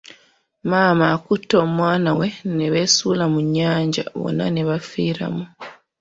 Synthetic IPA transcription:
maːmaːkutoːmwaːnawe̞neβe̞suːlamuɲːaːɲɟa̰βo̞̰na̰neβafiːɾa̰mu

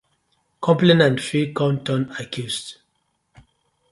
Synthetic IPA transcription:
kʰɔ̃mplinãntfikɔ̃ntʰɔ̃nakʰjust

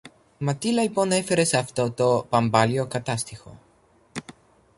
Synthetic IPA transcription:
mɐt̪ilɐlipo̞ne̞fe̞ɾe̞sɐft̪o̞t̪o̞pɐmbɐlio̞kɐt̪ɐst̪ixo̞̰

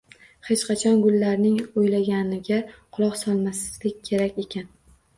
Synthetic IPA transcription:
he̞t͡ʃqɑt͡ʃʰɒnɡʊlˠːaɾnɪŋojlaɡʲanɪɡʲaqʰʊlˠɒqsɒlˠmasɪ̥zlɪkʲkʲʰe̞ɾakʲe̞kʲʰan

